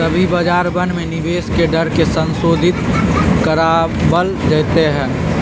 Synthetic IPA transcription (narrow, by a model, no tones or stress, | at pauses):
ɐbʱibəd͡ʒaːɾbənmẽnɪʋeːskeɖəɾkesə̃nsoːd̪ʱɪt̪kəɾaːbəlɾɛːt̪eɦɛ̃ː